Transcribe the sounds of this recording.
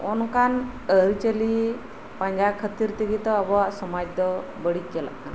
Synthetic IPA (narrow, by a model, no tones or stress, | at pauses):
ɔnkanəɾt͡ʃəli | pãɲd͡ʒakʰət̪iɾt̪iɡit̪ɔabɔwaʔsɔmad͡ʒd̪ɔ | bəɽikɛla̰ʔkana